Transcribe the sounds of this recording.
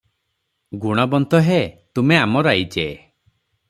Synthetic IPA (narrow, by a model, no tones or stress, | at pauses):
ɡuɽ̃ɔbɔnt̪ɔɦet̪umeamɔɾajd͡ʒe